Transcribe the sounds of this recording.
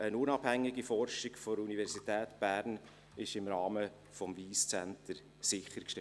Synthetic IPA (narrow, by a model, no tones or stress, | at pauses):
ənʊnɑb̥hæŋːɪɡifɔrʃɪɡfɔɾunivɛɾsitɛːtb̥æːɾn | ɪʃɪmɾɑːmə | fɔmviːst͡sɛntəɾ | sɪχəɾkʃtɛ